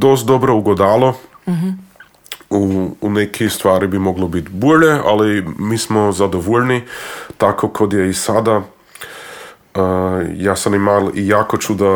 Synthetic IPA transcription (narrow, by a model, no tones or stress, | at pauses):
d̪ost̪̚d̪obɾouɡod̪aːlˠo | uːnekʰist̪ʋaːɾibimoɡlobit̪boʎea̰limiːsmozad̪oʋoʎnit̪akokʰod̪jeisad̪a | əjaːsamimalijaːkot͡ʃud̪a